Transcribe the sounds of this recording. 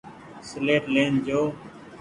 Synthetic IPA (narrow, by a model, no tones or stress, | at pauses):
sleːʈlẽːnd͡ʒoː